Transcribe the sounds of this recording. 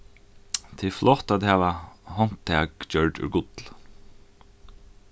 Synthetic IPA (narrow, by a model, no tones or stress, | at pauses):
t̪ʰiflɔht̪at̪haʋahɔn̥t̪ʰːɛːkt͡ɕœɹɖʏ̰ɾɡʊt̪l